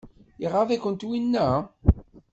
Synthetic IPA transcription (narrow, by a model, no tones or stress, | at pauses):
iʁːavækʷənt̪winːæ